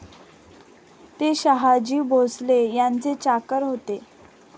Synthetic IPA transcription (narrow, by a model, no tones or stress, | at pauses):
t̪eɕəɦad͡ʑiːbʱoslejant͡set͡ɕakəɾɦot̪e